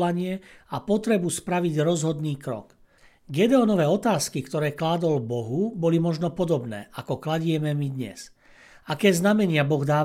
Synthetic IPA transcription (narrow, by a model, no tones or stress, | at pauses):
laɲɪɛapɔt̪ɾɛbuspɾaʋiɟɾɔzɦɔd̪niːkɾɔ̰k | ɡɛd̪ɛɔnɔʋɛːɔt̪aːskikt̪ɔɾɛːklaːd̪ɔlbɔɦubɔlimɔʒnɔpɔd̪ɔbnɛ̰ːʔakɔklaɟɪɛmɛmid̪ɲɛ̰s | akɛːznamɛɲɪabɔɣd̪aː